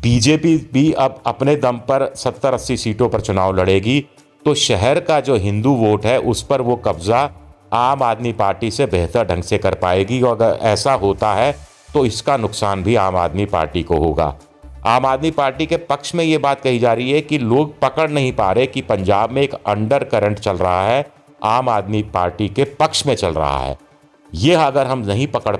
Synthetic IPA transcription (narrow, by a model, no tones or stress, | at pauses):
biːd͡ʒeːpibʱiɐbɐpned̪ɐmpɐɾsɐt̪ːəɾɐsisiːʈõpɐɾt͡ʃʊnaːolɐɽeːɡi | t̪oːʃɛɦɛɾkad͡ʒoːɦɪ̃nd̪uʋoːʈɦɛʔʊspɐɾʋokɐbza | aːmaːd̪mipaːɾʈisebeːɦt̪əɾɖʱɐ̃ŋɡsekɐɾpa̰ːeːɡiɔːɾɡəɾɛ̰ːsaɦoːt̪aɦɛ | t̪oɪskanʊksaːnbʱiaːma̰ːd̪mipa̰ːɾʈikoɦo̰ːɡa̰ː | aːmaːd̪mipaːɾʈikepɐkʃmẽjebaːt̪̚kɐɦid͡ʒaːɾəɦiɦɛkiloːɡ̚pɐkəɽnɐɦĩpaːɾekipɐ̃ɲd͡ʒaːbmẽːkɐ̃ɳɖəɾkɐɾə̃ɳʈt͡ʃɐlɾɐ̰ɦaɦɛ | aːmaːd̪mipaːɾʈikepɐkʃmẽt͡ʃɐlɾɐ̰ɦa̰ɦɛ̰ː | jeɐɡəɾɦɐmnɐɦĩpɐkəɽ